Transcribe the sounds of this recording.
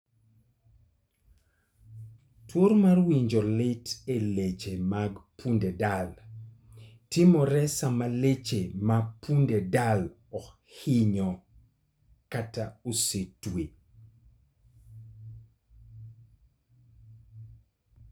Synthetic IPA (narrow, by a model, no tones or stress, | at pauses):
toɾmarwiɲd͡ʒɔlɪtelet͡ʃemaɡpʰundedal | timɔɾɛsamalet͡ʃemapʰundedal | ɔk | hɪɲɔ | kataosetwe